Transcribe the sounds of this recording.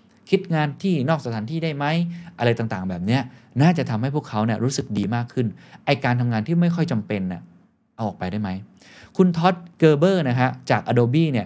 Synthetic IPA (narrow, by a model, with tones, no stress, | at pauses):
kʰi˦˥t̪̚ŋaː˧nt̪ʰiː˥˩nɔː˥˩ksa˧t̪ʰaː˩˦nt̪ʰiː˥˩daː˥˩jma˦˥jʔa˧ɾa˧jt̪aː˨˩t̪aː˨˩ŋbɛː˨˩p̚ni˦˥ɐnaː˥˩t͡ɕa˨˩t̪ʰa˧mha˥˩jpʰu˥˩əkʰa˦˥wni˥˩ɐɾuː˦˥sɯ˨˩k̚diː˧maː˥˩kʰːɯ˥˩nʔa˧jkaː˧nt̪ʰa˧mŋaː˧nt̪ʰiː˥˩ma˥˩jkʰɔ˥˩jt͡ɕa˧mpe˧nːi˥˩ | ʔa˧wʔɔː˨˩k̚pa˧jdaː˥˩jma˦˥j | kʰu˧nt̪ʰɔ˦˥t̪̚kɤː˧bɤː˥˩na˦˥kʰa˦˥t͡ɕaː˨˩k̚ʔa˧doː˧biː˥˩ni˥˩ɐ